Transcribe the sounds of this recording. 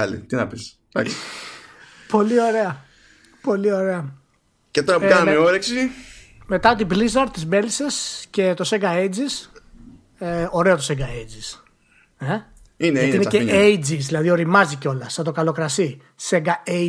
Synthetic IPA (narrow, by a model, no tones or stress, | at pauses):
ɐlḭt̪inɐpis | d̪ɐks | po̞lio̞ɾe̞ɐ | po̞lio̞ɾe̞ɐ | cet̪oɾɐpɐnɐmmeoɾeksime̞t̪ɐot̪iblizɐɾt̪izme̞lise̞sce̞t̪o̞seɡɐed͡zis | eo̞ɾe̞o̞t̪o̞seɡɐed͡zis | e | ineɐiineceejd͡ziszðilɐðio̞ɾimɐziceo̞lɐsɐt̪o̞kɐlo̞kɾɐsi | seɡɐe